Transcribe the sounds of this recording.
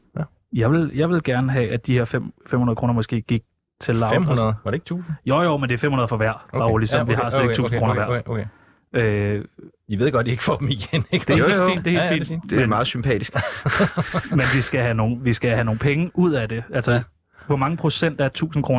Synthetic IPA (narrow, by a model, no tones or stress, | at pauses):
jɑ̈ɪʋe̝ljɑ̈ɪʋe̝lɡ̥æɐnəɦɛʔæd̥ihe̝ɐ̰fem̰femhunɐðˠkʰʁo̝ːnɐmɒ̽sɡ̥e̝̰ːɡ̥iɡ̥̚ | t͡sʰe̝lːɑ̥̈eɡ̥t͡sʰṵːs̩jojomend̥eɐfemhunɐðˠfɒ̽ʋæɐ̰b̥ɑ̈lisɒmʋiɦɑ̈sleleɡt͡sʰṵːsn̩kʰo̝ːnɐʋæɐ̰ | ø | iʋe̝ðˠɡ̥ɒ̽d̥̚d̥ie̝ɡ̥fɒd̥m̩iɡ̥enɡ̥d̥eeḭːdd̥e̝e̝lfḭn̥d̥emɑ̈ːð̩ˠsympʰɛ̰ːd̥isɡ̥ | menʋisɡ̥æɦæno̝ːn̩ʋisɡ̥æɦæno̝ːŋ̩pʰeŋəʔuð̞̰ˠæd̥e̝ælsɐ | ʋɒmɑ̈ŋəpʰʁo̝sen̰d̥æɐt͡sʰṵːsn̩kʰʁo̝ː